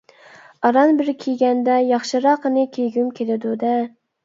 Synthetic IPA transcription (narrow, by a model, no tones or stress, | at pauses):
ɑɾɑnbɪɾkʲʰiɡʲɛnd̪ɛjɑχʃɨɾɑqənɨkʲʰeɡʲymkʲʰelɪd̪ud̪ɛ